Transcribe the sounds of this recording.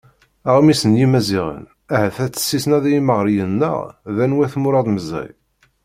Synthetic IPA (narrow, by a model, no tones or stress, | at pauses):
æʁmisənjimæziʁə̰n | æhəθæt͡sːə̥sːisnæðæjiməʁɾjənːə̰ʁðænwæθmʊɾˤɑðˤməzæ̰j